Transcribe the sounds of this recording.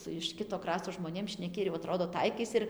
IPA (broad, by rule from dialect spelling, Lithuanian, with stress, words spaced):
sʊ ɪʃ ˈkʲɪtoː ˈkrɑːstoː ʒmoːˈnʲeːm ʃʲnʲɛˈkʲɪ ɪr jɛʊ ɐˈtroːdoː ˈtɐɪkɐɪs ɪr